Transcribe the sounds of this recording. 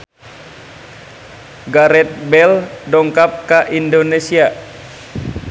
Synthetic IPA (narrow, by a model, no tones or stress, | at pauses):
ɡaɾɛt̪̚bɛldɔŋkap̚kaʔindonesia